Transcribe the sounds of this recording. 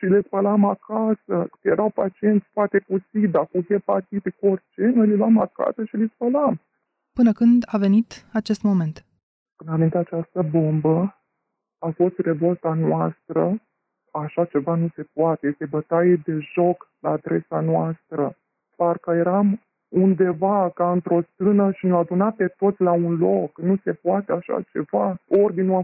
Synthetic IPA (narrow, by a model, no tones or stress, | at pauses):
ʃilespəlamakʰasəjeɾʔawpat͡ʃie̞nt̪sʲfoat̪e̞kusid̪akuhe̞pat̪ipiko̞rt͡ʃe̞no̞jlilamaka̰səʃilispəlam | pɨnəkɨnd̪ave̞nit̪at͡ʃe̞st̪mo̞me̞nt̪ | pɨnanint̪eat͡ʃast̪əbo̞mbə | afo̞st̪re̞vo̞lt̪anwast̪ɾə | aʃat͡ʃe̞vanuse̞poat̪e̞jest̪e̞bət̪ajed̪e̞ʒo̞klaːd̪ɾe̞sanoast̪ɾə | parkəje̞ɾam | und̪e̞vakaɨnt̪ɾo̞st̪ɨnəʃinoad̪unape̞t̪o̞t̪sʲlaunlo̞knuse̞poat̪e̞aʃa̰t͡ʃe̞̰vaord̪inua